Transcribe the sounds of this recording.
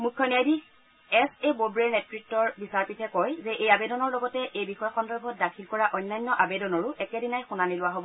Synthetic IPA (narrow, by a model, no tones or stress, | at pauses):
mukʰːjɔniajdi | ɛsebobɹɛɹnɛtɹitːɔɹbisaɹpitʰɛkɔjzɛʔejabedɔnɔɹlɔɡɔtɛʔejbixɔjxɔndɔɹbʱɔt̚dakʰilkɔɹaʔɔjnːajnːɔʔabedɔnɔɹʊʔɛkɛdinajxunanilʊwaɦobɔ